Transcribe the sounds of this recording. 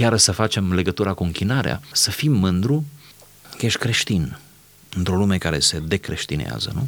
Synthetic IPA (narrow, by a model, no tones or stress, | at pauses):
jaɾəʃsəfat͡ʃe̞mle̞ɡət̪uɾakuɨŋkʲinaɾea̰səfimːɨnd̪ɾu | kjeʃʲkɾe̞ʃt̪in | ɨnt̪ɾo̞lume̞kaɾe̞̰se̞d̪e̞kɾe̞ʃt̪inḛa̰zə̰nu